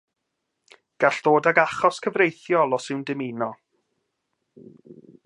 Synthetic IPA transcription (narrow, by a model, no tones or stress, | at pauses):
ɡ̥aɬd̥oːdaɡaχɔskʰəvrejθjɔlˠɔsɪwndɪminɔ